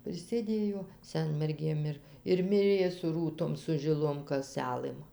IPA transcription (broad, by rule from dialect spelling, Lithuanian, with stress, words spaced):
ɪr sʲeːˈdʲeːjoː ˈsʲɛnʲmʲɛrʲɡʲeːm ˈɪr ɪr ˈmʲɪrʲeː sʊ ˈruːtoːm sʊ ʒʲɪˈlˠoːm kɐˈsʲælˠɘm